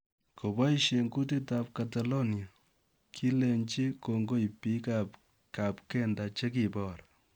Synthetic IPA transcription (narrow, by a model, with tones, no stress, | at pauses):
ko˨ba˦i˦ʃe˨ŋɡu˦t̬i˦tap̚katalo˦nja˨ | kʰi˦le˨ɲt͡ʃi˦ko˨ŋɡo˦i˨pi˦kap | kap̚kɛ˦ndat͡ʃe˦ki˨bɔːɾ